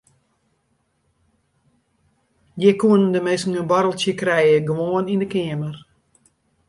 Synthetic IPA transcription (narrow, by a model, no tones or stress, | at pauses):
jɪkuənndəmesŋ̩ənbɔɾəlˠsjəkrɛjjəɡʋoːənindəkɪəmər